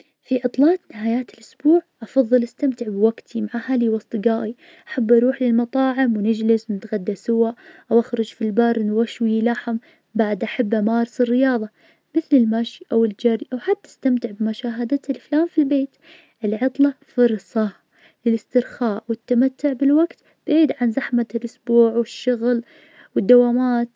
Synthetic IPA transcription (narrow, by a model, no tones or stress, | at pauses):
fiʕɨt̪ˤlɑːt̪nɪhaːjaːt̪ɪlʔʊsbuːʕʔɑfɑðˤːɨlʔast̪amt̪ɪʕbwaɡt̪ʰimaʕahaliwɑsˤt̪ˤɡaːʔi | ʔaħabːʔɑɾˤuːħlɪlmɑt̪ˤɑːʕɪmwnɪd͡ʒlɪswnɪt̪ɣad̪ːasʊwaʔʔawʔaxɾʊd͡ʒfilbɑɾˤnwaʃwilaħam | baʕd̪ʔaħabːʔamaːɾɪsɪrːɪjɑːðˤɑ | mɪθlɪlmaʃiʔawɪld͡ʒaɾiʔawħat̪ːḁst̪amt̪ɪʕbɪmʊʃaːɦad̪at̪ɪlflaːmfilbeːt̪ | ʔɪlʕɑt̪ˤlɑfʊɾˤsˤɑ | lɪlɪst̪ɪɾxaːʔwɪt̪ːamat̪ːʊʕbɪlwaɡt̪ | b̥ɪʕiːd̪ʕanzaħmalʔʊsbuːʕwɪʃːʊɣl | wɪd̪ːawaːmaːt̪